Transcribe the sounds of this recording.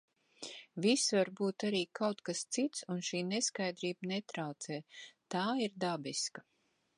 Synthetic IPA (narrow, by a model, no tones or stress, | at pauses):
visvaɾbuːt̪aɾiːkawt̪kast̪sit̪sunʃiːneskajd̪ɾiːbnet̪ɾawt̪sɛːt̪aːiɾd̪abiska